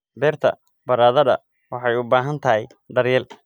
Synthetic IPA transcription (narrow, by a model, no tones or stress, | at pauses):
bɛːrt̪ʰɐ̰ | bɐɾaːðɐðɐ̰ | wɑħɑjʊbaːɦɐnt̪ʰɐɦɛj | ɖɐrjɛl